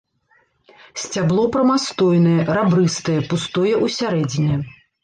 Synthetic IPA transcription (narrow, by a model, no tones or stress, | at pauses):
sʲt͡sʲablˠɔpɾɐmast̪ɔjnɐjɛɾabɾɨst̪ɐjɛpust̪ɔjɛʔusʲaɾɛd͡zʲinʲɛ